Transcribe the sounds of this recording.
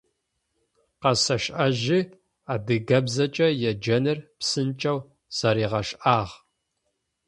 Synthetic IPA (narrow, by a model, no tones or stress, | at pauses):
qɐsɐʃʔɐʒɪ | aːdɨɡɐbzɐt͡ʃʼɐjɛd͡ʒɐnɨrpsɨnt͡ʃʼɐw | z̥ɐɾiːʁɐʃʔaːʁ